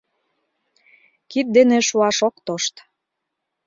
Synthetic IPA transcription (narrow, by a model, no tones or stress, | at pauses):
kit̪̚d̪enĕʃuɑʃok̚t̪oʃt̪